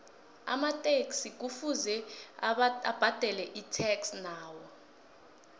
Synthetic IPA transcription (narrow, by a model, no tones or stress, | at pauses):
a̰matʼeksik̬ufuzɛ | ab̥ʱad̥ʱɛlɛʔitʰɛksnaːwɔ